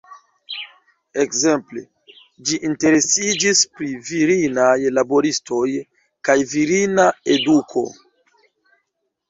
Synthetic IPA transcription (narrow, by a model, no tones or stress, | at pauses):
e̞kze̞mple̞̰ | d͡ʒiʔinte̞ɾe̞sid͡ʒispɾiviɾinajlabo̞ɾisto̞j | kajviɾinae̞dukʰo̞̰